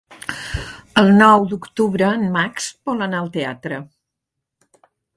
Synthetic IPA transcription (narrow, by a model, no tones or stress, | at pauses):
əlˠnɔwd̪ukt̪uβɾəːnmaksbɔlənaəlˠt̪ea̰t̪ɾə